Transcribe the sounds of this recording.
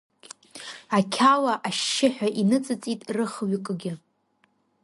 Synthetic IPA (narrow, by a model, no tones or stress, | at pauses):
akʲʰalaʔaʃːɪħʷᶣaʔinɨt͡sʼɨt͡sʼitʼrɨχɥkʼɨɡʲɪ